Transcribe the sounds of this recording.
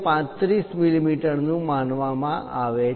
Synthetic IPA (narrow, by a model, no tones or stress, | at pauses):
pãt̪ɾismilimiʈəɾnũmanʋamã̰ʔa̰ʋe